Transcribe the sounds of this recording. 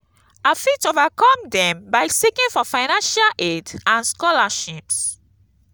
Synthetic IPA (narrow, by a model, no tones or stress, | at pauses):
afitovakɔ̃mdɛ̃mbaɪsikĩŋfɔfaɪnãnʃalʔedãnskɔlaʃips